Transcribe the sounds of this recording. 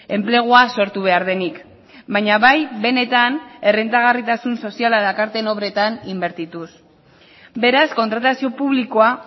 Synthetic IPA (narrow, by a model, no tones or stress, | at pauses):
e̞mple̞ɣ̞oaso̞ɾt̪uβ̞e̞aɾð̞e̞nik | bajɲaβajβe̞ne̞t̪ane̞rent̪aɣ̞arit̪asunso̞sialaðakaɾt̪e̞no̞βɾe̞t̪animbe̞ɾt̪it̪us | be̞ɾasko̞nt̪ɾat̪asio̞puβliko̞a